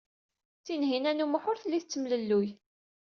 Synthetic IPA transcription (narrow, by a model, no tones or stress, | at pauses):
θinɦinænuməħʊɾθəlːiθət͡sːəmləlːuj